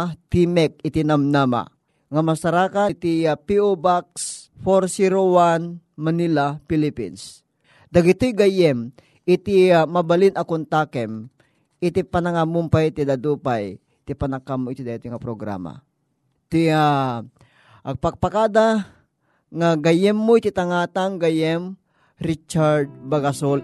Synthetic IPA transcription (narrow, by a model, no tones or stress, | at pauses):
t̪imɛk̚ɪt̪inɐmnama̰ | ŋamasaɾaːkat̪ipiobaksfoɾsiɾowanmɐnilapilipḭns | d̪ɐɡɪt̪ojɡajɛm | ʔɪt̪imɐbalinʔɐkʊnt̪akɛm | ɪt̪ipanaŋamumpajt̪id̪ad̪uːpaj | t̪ipanakːamoɪt̪ɪd̪aɡit̪ojŋɐpɾoɡɾa̰ma̰ | t̪ia | ʔpaɡ̚pakaːd̪a | ŋaɡajɛmːoɪt̪it̪aŋaːt̪aŋɡajɛm | ɾit͡ʃaɾd̪̚baɡasol